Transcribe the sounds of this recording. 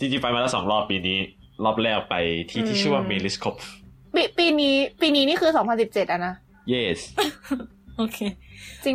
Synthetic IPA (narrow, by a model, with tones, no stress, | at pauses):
t̪ʰiː˥˩t͡ɕi˧˥˩pa˧jmaː˧laː˦˥sɔ̰ː˩˦ŋɾɔː˥˩pːiː˧niː˦˥ | lɔː˥˩p̚lɛː˥˩k̚pa˧jt̪ʰiː˥˩t̪ʰiː˥˩ɯ˥˩waː˥˩me˧li˦˥skʰo˦˥p̚ | piː˧piː˧niː˦˥piː˧niː˦˥niː˥˩ɯː˧sɔː˩˦ŋpʰa˧nsi˨˩p̚t͡ɕe˨˩t̪̚ʔa˧˨na˦˥ | je˥˩s | ʔo˧kʰeː˧t͡ɕi˧ŋ